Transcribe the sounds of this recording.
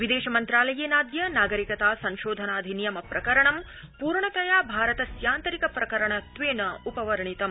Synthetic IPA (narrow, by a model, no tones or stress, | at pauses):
ʋid̪eːʃɐmɐnt̪ɾaːlɐjeːnaːd̪jɐnaːɡɐɾikɐt̪aːsɐ̃ŋʃoːd̪ʱɐnaːd̪ʱinijɐmɐpɾɐkɐɾɐɳɐm | puːɾɳɐkɐjaːbʱaːɾɐt̪ɐsjaːnt̪ɐɾikɐpɾɐkɐɾɐɳɐt̪ʋeːnɐupɐʋɐɾɐɳit̪ɐm